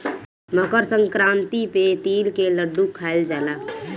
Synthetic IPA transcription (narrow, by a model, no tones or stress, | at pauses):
məkəɾsə̃ŋkɾãːnt̪ipet̪iːlkeləɖːukʰaːɪld͡ʒaːlaː